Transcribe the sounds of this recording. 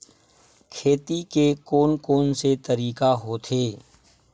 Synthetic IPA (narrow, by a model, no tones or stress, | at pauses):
kʰeːt̪ikekoːnkoːnset̪əɾiːkaɦoːt̪ʰeː